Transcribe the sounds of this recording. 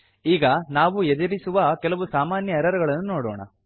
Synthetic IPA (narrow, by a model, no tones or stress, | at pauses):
iːɡɐnaːʋuɛd͡ʒɐɾisuʋɐkɛlɐʋusaːmaːnjɐɛɾɐɾɐɡɐɭɐnːunoːɽo̰ːɳɐ̰